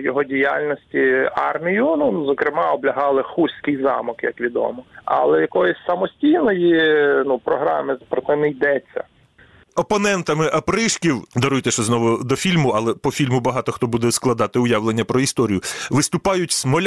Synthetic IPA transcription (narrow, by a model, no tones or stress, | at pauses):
jɔɦɔdʲija̰lʲnɔsʲtʲiɑrmʲijʊnuzɔkɾɪmɑɔblʲɐɦɑlˠɪxusʲkɪjzɑ̰mɔkjɐ̰kʋʲid̪ɔ̰mɔɐ̰lˠɛjɐkɔjɔsʲsɐmɔsʲtʲijnɔjinupɾɔɦɾɑ̰mɪpɾɔsɛnɛjd̪ɛt͡sʲːɐ̰ | ɔpɔnɛnt̪ɐmɪʔɐpɾɪʃkʲiwd̪ɐɾujt̪ɛsɛznɔʋʊd̪ɔfʲilʲmʊɐlˠɛpɔfʲilʲmʊbɐɦɑt̪ɔxt̪ɔbud̪ɛsklˠɐd̪ɑt̪ɪʊjaʋlenʲːɐpɾɔist̪ɔɾʲijʊʋɪst̪ʊpɑjʊtʲsmɔlʲ